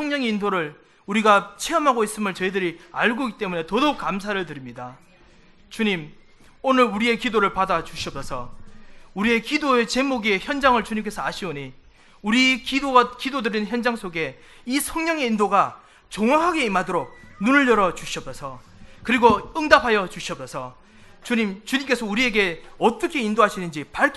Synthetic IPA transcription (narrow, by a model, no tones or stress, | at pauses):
sʰʌŋɲʌŋe̞indoɾɯɭ | uɾiɡat͡ɕʰeʌmɦaɡois͈ɯmɯɭt͡ɕʌidɯɾia̰ɭɡoɡit͈e̞mune̞tʌdok̚k͈ams̬ʰaɾɯɭt̬ɯɾimɲida | t͡ɕuɲim | onɯɾuɾie̞kidoɾɯɭpadat͡ɕuɕʰiʌp̚s͈ʰʌsʰʌ | uɾie̞kidoe̞t͡ɕe̞muɡie̞çjʌnd͡ʑaŋɯɭt͡ɕuɲimk͈e̞sʰʌaɕʰioɲi | uɾikiokidodɯɾinçjʌnd͡ʑaŋs͈ʰoɡe̞ | isʰʌŋɲʌŋe̞indoɡa | t͡ɕoŋwaɦaɡe̞imadoɾok̚nunɯɭːʌɾʌt͡ɕuɕʰiʌp̚sʰʌsʰʌ | kɯɾiɡoɯŋdapʰajʌt͡ɕuɕʰiʌp̚sʰʌsʰʌ | t͡ɕuɲimt͡ɕuɲimk͈e̞sʰʌuɾie̞ɡe̞ʌt͈ʌkʰe̞indoɦaɕʰinɯnd͡ʑipaɭkʰ